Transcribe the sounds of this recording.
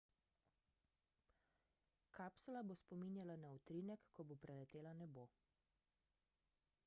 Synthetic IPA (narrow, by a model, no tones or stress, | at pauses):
kaːpsulabospɔminjalanaut̪ɾinɛkːɔbopɾɛlɛt̪eːlanɛboː